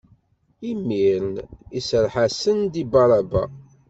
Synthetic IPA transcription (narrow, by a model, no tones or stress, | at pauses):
imːiɾnisəɾħasənd̪ibɑɾˤɑba̰